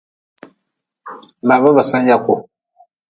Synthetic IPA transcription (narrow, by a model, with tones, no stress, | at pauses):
ma˨ba˦ba˨sa˦n˦ja˦kʊ˨